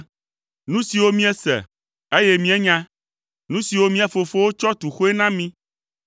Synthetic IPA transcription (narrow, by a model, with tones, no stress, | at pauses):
nũ˦si˨wo˦mĩ˦ɛ˦sɛ̰˨ | e˦jɛ˦mĩ˦ɛ˦ɲã˦ | nũ˦si˨wo˦mĩ˦ɛ˨fo˨fo˦wo˦t͡ʃɔ˦t̪u˨xo˦e˦nã˦mĩ˦